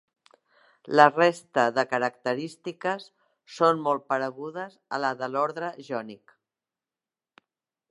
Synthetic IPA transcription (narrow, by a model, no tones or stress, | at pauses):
lərest̪əðəkəɾəkt̪əɾist̪ikəsː | onmɔlˠt̪̚pəɾəɣuðəzə̰laðəlɔɾðɾəʒɔnik